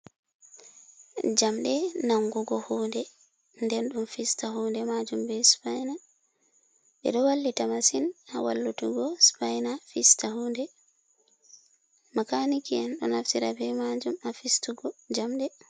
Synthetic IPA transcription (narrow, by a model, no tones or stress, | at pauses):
d͡ʒamɗɛnaŋɡuɡɔhuːndɛ | ndɛnɗumfistaɦuːndɛmad͡ʒumbɛspajna | ɓɛ̰ɗɔwalːitamasinawa̰lːutuɡɔspajnafistahuːndɛ | makanikianɗɔnaftiɾabɛmad͡ʒumafistuɡɔd͡ʒamɗɛ